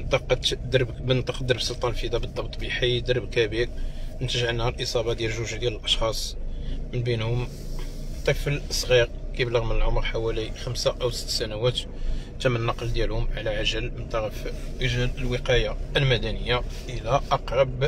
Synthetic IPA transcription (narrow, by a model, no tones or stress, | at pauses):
nt̪ɑqt̪d̪ɾbbənt̪ˤɑqd̪əɾbsˤolt̪ˤɑnlfid̪æbəd̪ˤːɑbt̪ˤːbiħid̪əɾˤəbkæbiknt̪əʒʕənːhælʔəsˤɑbɑd̪jælʒuʒd̪jæləlʔɑʃxɑsˤmənbinhʊm | t̪ˤɑkfələsˤɣiɾkibləɣmənəlʕomɾˤħawælixəmsaʔæwsə̥t̪ːsænæwæt̪ | t̪æmːənːɑqəld̪jælhʊmʕalæʕaʒəlmənt̪ˤɑɾfʔəʒæləlwəqɑjaəlmæd̪ænəjːaʔəlæʔɑqɾˤɑb